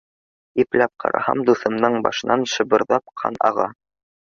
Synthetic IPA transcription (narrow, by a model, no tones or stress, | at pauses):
iplæp̚qʰɑ̰ɾɑ̰hɑ̰md̪uθɤ̆mnɤɴbɑ̰ʃɤ̆nɑnʃɤ̆bɤ̆ɾðɑp̚qʰɑ̰nɑʁɑ